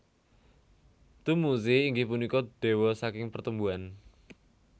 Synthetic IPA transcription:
t̪umusiːŋɡipunikɔd̪̥e̤wɔsakɪŋpərt̪əmbuan

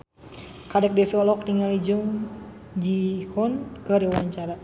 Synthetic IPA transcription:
kadɛk̚dɛfiɔlɔk̚tiŋalid͡ʒuŋ | d͡ʒihɔnkəɾiwaɲt͡ʃaɾa

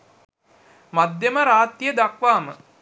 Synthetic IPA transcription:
mad̪jeməɾaːt̪ːijəd̪akʋaːmə

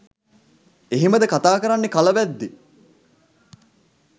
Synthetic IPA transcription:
eɦiməd̪əkat̪aːkəɾanːekalɐʋæd̪ːi

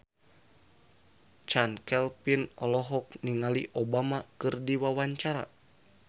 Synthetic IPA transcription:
t͡ʃankɛlpinɔlɔɦɔk̚niŋaliʔobamakɨrdiwawaɲt͡ʃaɾa̰

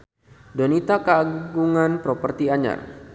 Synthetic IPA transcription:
dɔnit̪akaaɡuŋanpɾɔpərt̪iaɲa̰r

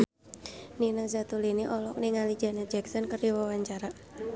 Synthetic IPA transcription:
ninazat̪uliniʔɔlɔk̚niŋali̥d͡ʒa̤nad͡ʒɛk̚sɔnkəriwawaɲt͡ʃaɾa

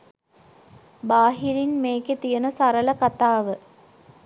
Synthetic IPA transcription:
baːɦiɾinmeːket̪ijənəsaɾəlɐkat̪aːʋə

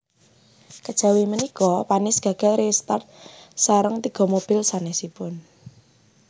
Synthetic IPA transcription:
kəd̥ʒ̥ä̤wimənikɔpanɪsɡ̥a̤ɡ̥ɛ̤lɾest̪art̪̚saɾəŋt̪iɡ̥ɔ̤mob̥ɪ̤lsanɛsipʊn

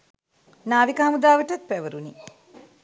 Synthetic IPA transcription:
naːʋikɐɦamud̪aːʋəʈɐt̪̚pæʋəɾuni

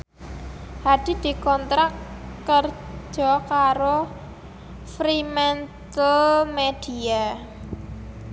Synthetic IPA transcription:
had̪̥i̤d̪̥i̤kɔnt̪ɾakːərd͡ʒ̥ɔkaɾo | fɾimɛnt̪əlmed̪̥ia

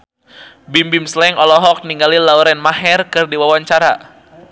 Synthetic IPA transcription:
bimbimslɛŋɔlɔɦɔk̚niŋɡalilawɾɛnmaɦɛrkɨrdiwawaɲt͡ʃaɾa̰

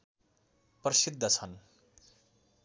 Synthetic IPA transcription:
prʌsid̪ʱːʌt͡sʰʌn

